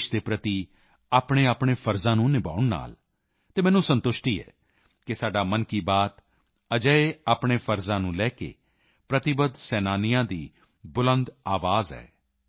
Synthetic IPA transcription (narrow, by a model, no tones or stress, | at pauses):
ʃd̪eːpɾət̪iː | aːpɳeːaːpɳeːpʰəɾzãːnũːnɪba̰ːʊɳna̰ːl | t̪eːmɛ̃ːnũːsənt̪ʊʃʈiːɛ̰ː | kɪsaːɖaːmənkiːbaːt̪ | əd͡ʒəeːaːpɳeːpʰəɾzãːnũːlɛːkḛː | pɾət̪ɪbəd̪sɛːnaːnɪjãːd̪iː | bʊlə̃nd̪aːʋaːzɛ̰ː